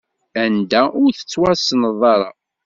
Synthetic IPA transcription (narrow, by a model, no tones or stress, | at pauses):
ænd̪æʊɾθə̥t͡sːwæsnəðˤɑɾˤɑ̰